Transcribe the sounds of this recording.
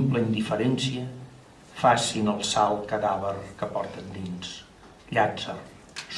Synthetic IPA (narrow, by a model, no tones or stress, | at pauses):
mpləind̪ifəɾɛnsiə | fasinəlˠsalˠkəðaβərkəpɔrt̪ənd̪ins | ʎad͡zər | s